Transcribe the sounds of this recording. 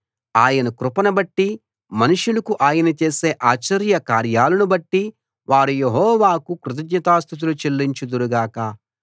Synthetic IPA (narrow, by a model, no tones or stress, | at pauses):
aːjɐnɐkɾupɐnɐbɐʈːi | mɐnuʂulɐkuʔaːjɐnɐt͡ʃeːse̞ːʔaːt͡ʃɐɾjɐkaːɾjaːlɐnubɐʈːi | ʋaːɾujeɦɔːʋaːkukɾut̪̬ɐd͡ʒɲɐt̪aːst̪ʰut̪̬ulut͡ʃelːiɲt͡ʃud̪uɾuɡaːkɐ